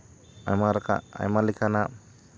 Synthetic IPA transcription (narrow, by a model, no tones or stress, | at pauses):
ajmaɾaka̰a̰jmalikʰana